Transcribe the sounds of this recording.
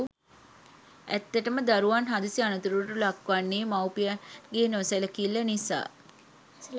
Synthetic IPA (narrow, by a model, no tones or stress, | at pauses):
æt̪ːəʈəməd̪aɾuʋanɦad̪isianut̪uɾuʈulakʋanːeːmawpijəɡeːnoseləkilːənisa̰ː